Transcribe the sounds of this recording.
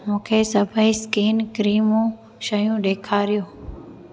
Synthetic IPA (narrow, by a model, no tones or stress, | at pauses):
mũːkʰeːsəbʱəiskiːnkɾiːmũː | ʃəjũːɗeːkʰaːɾɪjoː